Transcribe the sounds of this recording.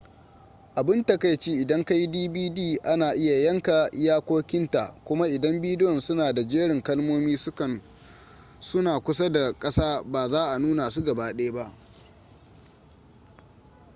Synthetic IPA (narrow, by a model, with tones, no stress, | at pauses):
ʔa˨bɪ˦nta˨ka˦jt͡ʃeː˦ʔɪ˨dɐ˦ŋka˦ji˦diː˦biː˦diː˦˨ʔa˦naː˨ʔɪ˦ja˨jɐ˦ŋka˨˦jaː˦kʷoː˦kʲɪ˦nta˨ʔkʷʊ˦ma˦ʔɪ˨dɐ˦mbiː˦dɪ˦jɔ˨nsʊ˦naː˨da˨d͡ʒeː˦ɽɪ˨ŋkɐ˦lmoː˦miː˦sɐ˨ | sʊ˦naː˨kʷʊ˦sa˦da˨kʼɐ˦saː˦baː˨zaː˦ʔa˨nuː˦na˨su˦ɡɐ˨baː˦ɗeː˦ba˦ʔ